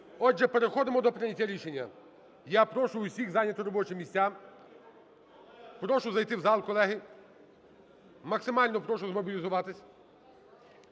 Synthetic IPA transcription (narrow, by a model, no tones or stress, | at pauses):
ɔʒɛpeɾexɔd̪ɪmɔd̪ɔpɾɪnʲɐtʲaɾʲiʃenʲːɐ | japɾɔʃʊʊsʲiɣzanʲːɐt̪ɪɾɔbɔt͡ʃɪmʲisʲtʲa | pɾɔʃʊzɐjt̪ɪwzɑlˠkɔlˠɛɦɪ | mɐksɪmɑlʲnɔpɾɔʃʊzmɔbʲilʲizʊʋɑt̪ɪsʲ